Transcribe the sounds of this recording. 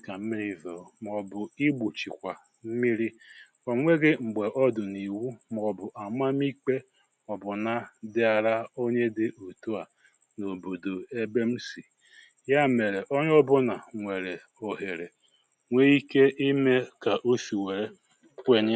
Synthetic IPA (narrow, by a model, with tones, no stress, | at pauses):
ka˨m̩˦mi˦ɾi˦vo˨m˨ɔ˨bʊ˨i˦ɡ͡bu˨t͡ʃi˨kʷa˨ | m̩˦mi˦ɾi˦ | o˨ŋʷe˦ɡɪ˦ŋ͡m̩˨ɡ͡be˨ʔɔ˦dʊ˨ni˨wu˦m˨ɔ˨bʊ˨ʔa˨ma˦mi˦k͡pe˦ | ɔ˨bʊ˨na˦dɪ˦a˨ɾa˦o˦ɲe˦dɪ˦ʔu˨tu˦a˨ | no˨bo˨do˨e˦be˦m̩˦si˨ | ja˦me˨ɾe˨ʔo˦ɲ˦ɔ˦bʊ˦na˨ŋʷe˨ɾe˨ | o˨ɦe˨ɾe˨ | ŋʷe˦i˦ke˦ʔi˦me˦ka˨ʔo˦si˨we˨ɾe˨˦ | kʷe˦ɲɪ˦